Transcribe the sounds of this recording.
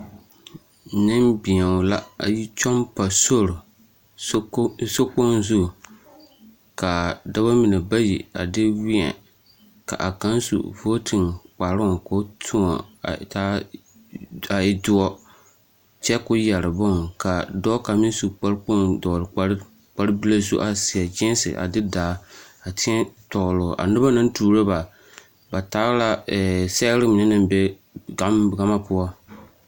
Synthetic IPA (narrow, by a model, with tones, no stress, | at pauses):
nɨ˦mbɪ˨ɲa˨la˦a̰˨ji˦t͡ʃɔ˦mpa˨so˦ɾʊ˨˦ | so˦k͡po˦n˦zʊ˦˨ | ka˨da˦ba˦mɪ˨nɛ˨ba˦ji˨a̰˨dɪ˦wɪ˦ɛ̰˨ | ka̰˨ʔa˨ka˦n˦sṵ˨vo˦tʰɨ˨ŋk͡pa˨ɾʊ˦ŋ˨ko˦tʰʊ˦ŋɔ̰˨taː˦ | a˨ɪ˦dʊ˦ɔ˦ | t͡ʃɛ˦kʊ˦ja˨ɾɨ˨bʊ˦ŋ˨ka˨dɔ˦ka˨mɪ˦n˦su˨k͡pa˦ɾk͡po˦ndɔː˨lɨ˨˦ | k͡pa˦ɾɨ˦bi˦la˦zṵ˦ʔa˨sɪ˨ɛ˨d͡ʒɪ˦n˦sɨ̰˨ʔa̰˨dɨ˦daː˨˦a˨tɪ˦ɛ˦tɔ˨lʊ˨ʔa̰˨nɨ˦ba˦nɨ˦n˦tuː˨ɾo˦ba˨ | ba˨taː˦ɣla˦˨sɛ˦ɾɪ˦mɪ˨nɛ˦nɨ˦mbe˦ | ɡa˨˦m˦ɡa˦ma˦pʊ˦a˦